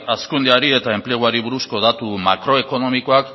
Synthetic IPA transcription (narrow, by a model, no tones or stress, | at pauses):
askund̪eaɾie̞t̪ae̞mple̞ɣ̞uaɾiβuɾusko̞ðat̪umakɾo̞e̞ko̞no̞miko̞ak